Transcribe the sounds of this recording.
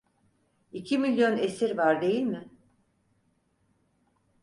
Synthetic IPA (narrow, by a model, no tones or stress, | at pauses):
icʰimilʲjo̞nesiɾvaɾd̪e̞jilʲmɪ